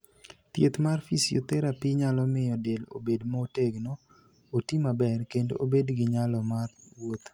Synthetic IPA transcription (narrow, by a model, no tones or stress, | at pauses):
t̪jet̪marfisijo̰t̪ɛɾapiɲalɔmɪɔdelo̰bedmɔoteɡno | otimabɛrkendo̰ʔobedɡɪɲalɔmarwot̪